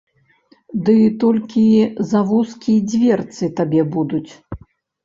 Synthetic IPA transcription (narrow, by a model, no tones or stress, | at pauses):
d̪ɨt̪ɔlʲkʲizavuskʲiɛd͡zʲvʲɛrt̪sɨt̪abʲɛbud̪ut͡sʲ